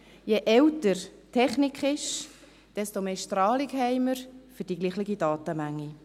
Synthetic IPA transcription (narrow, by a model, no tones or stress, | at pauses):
jeʔɛwtəɾ | tʰɛχnikχɪʃ | d̥ɛstomeːʃtrɑːlikɦɛɪməɾfʏɾd̥iɡliːχlɪɡidɑːtəmæŋːi